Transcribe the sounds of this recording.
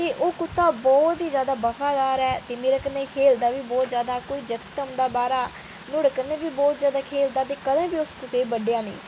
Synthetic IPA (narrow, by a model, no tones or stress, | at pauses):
t̪eːʔoːkʊt̪ʰːaːbɔːt̪iːzjaːd̪aːbəfʰaːd̪aːɾɛːt̪eːmeːɾaːkəneːkʰeːld̪aːʋiːbɔːt̪zjaːd̪aːkoːiːd͡ʒəkt̪əmd̪aːbaːɾaː | nʊɽkəneːbiːbɔːt̪zjaːd̪aːkʰeːld̪aːt̪̬eːkəd̪ãːbiːʊskʊseːbəɖejãːnḭ̃ː